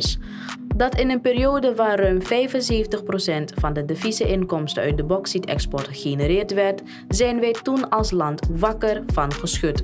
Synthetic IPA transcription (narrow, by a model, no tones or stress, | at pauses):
s | dɑtɪnənpeːɾijoːdəʋaːrœɥmfɛjvənseːvəntəχprosɛntfɑndədefisəʔɪnkɔmstəœ̰ɥt̚dəbɔksitɛ̰kspɔɹtχenəɾɪːrtʋɛrt | zɛjnʋɛjtunɑlˠslɑntʋɑkərvɑnχəsχɵt